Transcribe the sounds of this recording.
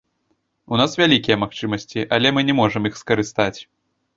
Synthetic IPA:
unasvʲalʲikʲijɐmaxt͡ʂɨmɐsʲt͡sʲiʔɐlʲɛmɨnʲɛmɔʐɨmjixskɐɾɨst̪at͡sʲ

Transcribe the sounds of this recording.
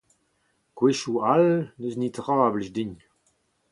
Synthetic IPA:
kweʃualnøznitʁaːbliʒdiɲ

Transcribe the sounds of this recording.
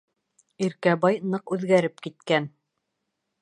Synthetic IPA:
iɾkæbɑjnɤqʉðɡæɾɘp̚kit̪̚kæn

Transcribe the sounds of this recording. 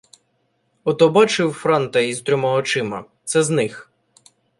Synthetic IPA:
ɔt̪ɔbɑt͡ʃɪwfɾɑnt̪ɐizt̪ɾʲɔmɐɔt͡ʃɪmɐt̪sɛznɪx

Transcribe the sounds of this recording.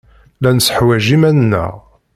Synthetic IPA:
lænəsə̥ħwæʒimænnːə̰ʁ

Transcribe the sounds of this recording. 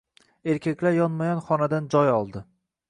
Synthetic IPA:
e̞ɾkʲʰakʲlaɾjɒnmajɒnχɒnad̪and͡ʒɒjɒlˠd̪ɪ

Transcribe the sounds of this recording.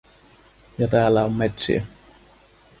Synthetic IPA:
jɑt̪æːlːæommet̪sḭæ

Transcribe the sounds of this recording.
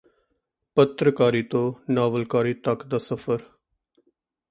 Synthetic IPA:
pət̪ɾəkaːɾiːt̪õːnaːʋəlkaːɾiːt̪əkd̪aːsəpʰəɾ

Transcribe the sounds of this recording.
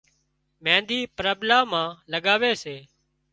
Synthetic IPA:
mɛ̃ːnd̪iːpɾəblaːmãːləɠaːʋeːseː

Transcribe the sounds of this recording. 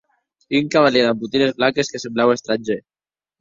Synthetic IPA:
iuŋkaβaleðambut̪inezβlakeskesemblawest̪ɾand͡ʒe

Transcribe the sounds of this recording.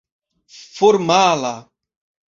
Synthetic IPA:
foɾmaːla

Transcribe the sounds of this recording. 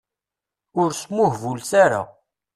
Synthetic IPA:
ʊɾsmʊhvulsaɾa̰

